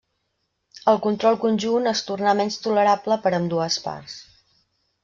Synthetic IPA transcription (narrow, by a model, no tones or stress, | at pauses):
əlˠkunt̪ɾɔlˠkunʲʒunəst̪urnamɛnst̪uləɾapləpəɾəmd̪uəspa̰rs